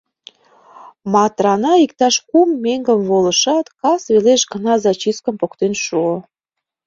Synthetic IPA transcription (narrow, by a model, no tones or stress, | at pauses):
mɑt̪ɾɑnɑikt̪ɑʃkumːeŋɡəmβoləʃɑt̪kɑsβeleʃɡə̆nɑzɑt͡ɕiskə̆mpokt̪enʃuo